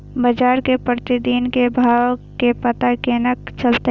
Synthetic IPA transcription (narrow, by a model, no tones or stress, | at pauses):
bɐd͡ʒaːɾkepət̪ɪd̪iːnkebʱaːʋkepɐt̪akeːnəkt͡ʃɐlt̪e